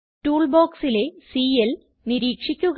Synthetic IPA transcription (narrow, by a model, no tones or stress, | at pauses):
ʈuːɭboːksile̞siːjel | niɾiːkʂikʲːuɣ